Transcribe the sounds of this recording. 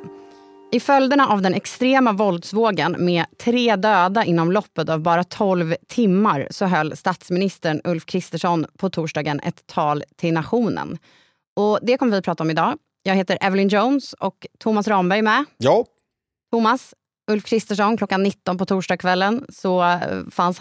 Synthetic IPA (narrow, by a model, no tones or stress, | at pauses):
ɪfœld̪əɳaʔavd̪ɛnɛkst̪ɾeːmavɔld̪svoːɡənmɛːt̪ʰɾeːd̪øːd̪aʔɪn̪ːɔmlɔpːət̪avbɑːɾat̪ʰɔlvt̪ʰɪmːaɾsɔɦœlːst̪at̪smɪnɪst̪əɳɵlfkʰɾɪst̪əʂɔnpʰɔt̪ʰuːʂɖɑːɡənʔɛ̰t̪ʰːɑːlt̪ʰɪlnaɧuːnə̰n | ɔd̪ɛkʰɔmːəɾvɪpɾɑːt̪aɔmɪd̪ɑː | jɑːɡheːt̪əɾʔɛvəlɪnd͡ʒoʊnsɔkt̪ʰʊmasɾɑːmbæɾjmɛ | t̪ʰʊmas | ɵlfkʰɾɪst̪əʂɔnkʰlɔkːanːɪt̪ːɔnpɔt̪ʰuːʂɖɑːɡ̚kʰvɛlːənsɔfans